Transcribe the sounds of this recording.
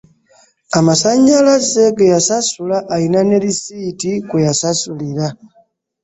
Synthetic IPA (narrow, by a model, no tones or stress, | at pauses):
amasaɲːalaze̞ɡejasasulaʔːlinane̞ɾisiːtikwejasasuliɾa